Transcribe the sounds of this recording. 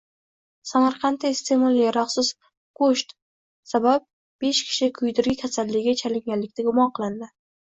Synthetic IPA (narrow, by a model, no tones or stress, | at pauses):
samaɾqʰɑnt̪ːaɪst̪ʰe̞mɒlˠjaɾɑqsɪz | kʰoʃt̪ | sabap̚ | b̥e̞ʃkʲʰɪ̥ʃɪkʰʊjd̪ɪɾɡʲɪkʲʰasallːɪɡʲɡʲat͡ʃʰalɪŋɡʲanllɪkʲt̪ʰaɡʊmɒnqʰɨlˠɪnd̪ɪ